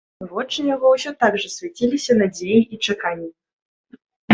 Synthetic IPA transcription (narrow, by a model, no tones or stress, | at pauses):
vɔt͡ʂːɨjaɣɔwsʲɔt̪aɡʐɐsʲvʲat͡sʲilʲisʲɐnad͡zʲejiit͡ʂakanʲːi